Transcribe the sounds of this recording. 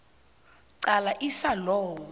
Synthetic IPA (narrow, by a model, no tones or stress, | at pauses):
ǀalaʔisalɔːwu